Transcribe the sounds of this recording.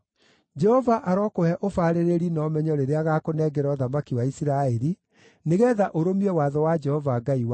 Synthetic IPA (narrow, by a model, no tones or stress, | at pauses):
d͡ʒɛhɔvaʔaɾɔkohɛʔofaːɾeɾeɾinɔmɛɲɔɾeɾeaɣakonɛɡɛɾɔðamakiwaisiɾaɛɾi | neɣɛːðaʔoɾomiɛwaðɔwad͡ʒɛhɔvaːɡaiwa